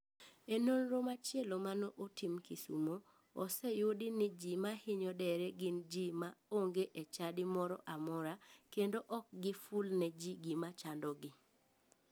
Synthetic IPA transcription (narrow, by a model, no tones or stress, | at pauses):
enonɾomat͡ʃɪelomanɔʔotʰimkisṵmo | ɔ̰sɛjodinɪd͡ʒimahɪɲɔdɛɾɛɡɪnd͡ʒimaoŋɡeʔet͡ʃadɪmɔɾɔ̰ʔamɔɾakendoʔɔk̚ɡɪfulnɛd͡ʒiɡimat͡ʃandɔɡɪ